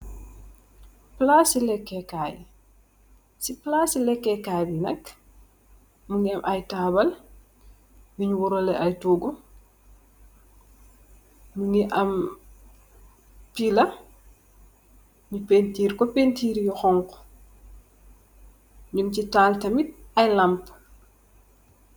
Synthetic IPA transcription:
plasilɛkːɛkaːj | siplasilɛkːɛkaːbinɐk | muŋɡiɐmʔajtabɐl | miɲwuɾɔlɛʔajtuːɡu | muniʔɐm | pilɐ | mipentiːɾkɔpentiːɾjɔxɔŋkɔ̥ | mincitaːltɐmit̚ɐjlamp

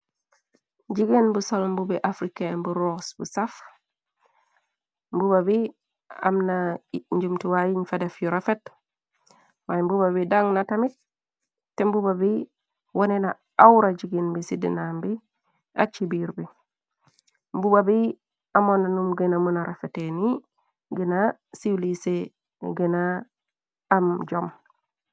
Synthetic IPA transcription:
ɟiɡenbusalmbubiʔafɾikembuɾosbusaf | mbubabi | a̰mnaɲɟumtiwajiɲfadefjuɾafet | wajmbubaβidaŋnatamit̚ | tːembubabi | wonena | awɾad͡ʒiɡinbisidḭnambi | a̰t͡ʃibiɾbi | mbubabi | amonanumɡenamunaɾafeteni | ɡenasiwlise | ɡenaː | md͡ʒom

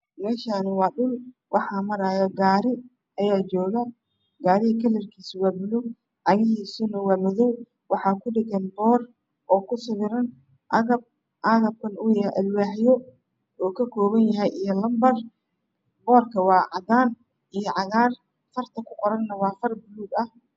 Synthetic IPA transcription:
mɛːʃaːnɪwɑːɗʊl | wʔɑħɑːmɐɾaːjɐɡaːɾɪ | ɐjaːt͡ʃɔːɣɐ | ɡaːɾɪhɐkʰɐlɛrkʰiːswɑːbʊluɡ | ʕɑɣɪɦiːsʊnɐwɑːmɔðɔw | wɑħɑːkʰʊɖɪɣɛnbɔːr | ʔɔːkʰʊsɐβɪɾɐn | ʔɐɣɐb̚ | ʔɑɣɐb̚kʰɐnʊjɐʔɐlwaːħjɔ | ɔːkʰɐkʰɔːβɐnjɐɦɛjijɔlɐmbɐr | bɔːrkʰɐwɑːʕɑd̪aːn | ʔijɔʕɑɣaːr | fɐrt̪ʰɐkʰʊqɔɾɐnːɐwɑːfɐrbʊluːɡɐh

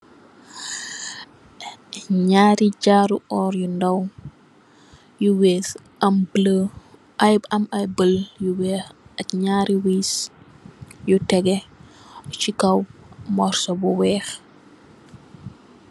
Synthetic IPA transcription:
ɲaːɾiɟaːɾuʔɔːɾjundɐw | juwɛːs | ʔɐmblə | ʔɐjbɐmɐjbəljuwɛːxɐkɲaːɾiwis | jutɛɡɛ | t͡ʃikawmɔɾsɔbuwɛːx

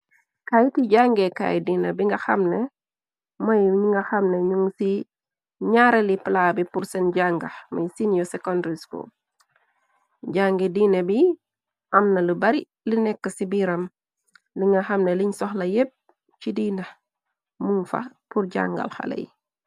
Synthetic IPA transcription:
kaːjtiɟaŋɡɛka̰jdinɐbiŋɡɐxɐmnɛ | mɐjɲiŋɡɐxɐmnɛɲuŋsi | ɲaɾɛlipəlaːbipuɾsɛnɟaŋɡɐmɐ̰jsinjɔsɛkɔndɾisko̰ | ɟaŋɡɛdiːnɐbi | ʔɐmnɐlibɐɾi | linɛkːəsibiːɾɐm | liŋɡɐxɐmnɛliɲsɔxlɐjep̚ | t͡ʃidiːnɐ | muŋfɐ̰purɟa̰ŋɡɐ̰lxɐ̰lɐ̰j

